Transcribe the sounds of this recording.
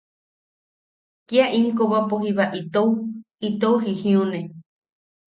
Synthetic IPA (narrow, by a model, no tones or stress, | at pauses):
kiaʔiŋkoβapoɦiβaʔit̪ou | it̪ouɦihĩũnẽ